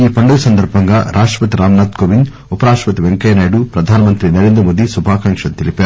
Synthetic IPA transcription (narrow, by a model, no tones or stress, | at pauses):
iːpɐɳɖɐɡɐsɐnd̪ʱɐɾbʱɐŋɡaːɾʔaːʂʈɾɐpɐt̪iɾaːmnaːt̪koːʋin | upɐɾaːʂʈpɐt̪iʋeŋkɐːjɐnaːjɐɽupɾɐd̪ʱaːnɐmɐnt̪ɾinɐɾeːnd̪ɾɐmoːd̪isubʱaːkɐŋkʂɐt̪ilipaːɾu